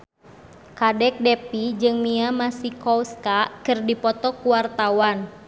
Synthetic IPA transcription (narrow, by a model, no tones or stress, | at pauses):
kadɛk̚dɛpid͡ʒɨŋmiamasikɔwskakɨrdipɔt̪ɔkuwart̪awan